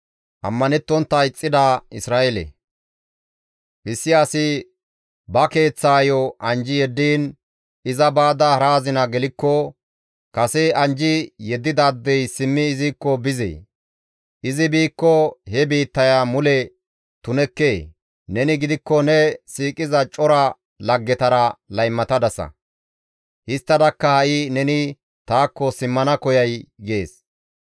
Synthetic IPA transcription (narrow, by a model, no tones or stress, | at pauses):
ʔɐ̰mːɐnɛt̪ːɔnt̪ːɐɪt͡sʼːɪd̪aɪsɾaːʔɛlɛ̰ | ʔɪsːɪjasɪ | bɐke̞ːt͡sːaːjɔʔɐnd͡ʒɪjɛd̪ːiːn | ɪzɐbaːd̪ɐhɐɾaːzɪnɐɡɛlɪkːɔ | kɐsɛɐnd͡ʒɪjɛd̪ːɪd̪ad̪ːɛjsɪmːɪːziːkːɔbɪzɛ̰ | ʔɪzɪbiːkːɔhɛbiːt̪ːɐjamʊlɛ | t̪ʊnɛkːeː | nɛnɪɡɪd̪ɪkːɔnɛsiːkʼɪzɐt͡ʃʼɔɾɐ | lɐɡːɛt̪ɐɾɐlɐjmːɐt̪ɐd̪ɐsɐ̰ | hɪst̪ːɐd̪ɐkːɐhɐʔɪnɛnɪ | t̪aːkːɔsɪmːɐnɐkɔjɐjɡe̞ːs